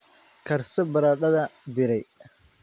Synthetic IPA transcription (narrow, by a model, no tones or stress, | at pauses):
kʰɐrsɔbɐɾaːɗɐðɐd̪ɪɾɛj